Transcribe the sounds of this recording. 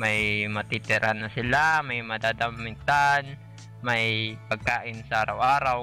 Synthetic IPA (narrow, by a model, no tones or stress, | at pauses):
majmɐt̪ɪt̪ɪɾʔanɐsɪlamajmɐd̪aːd̪amɪt̪an | majpɐɡ̚kaːʔɪnsɐaʔaːɾa̰wʔaːɾaw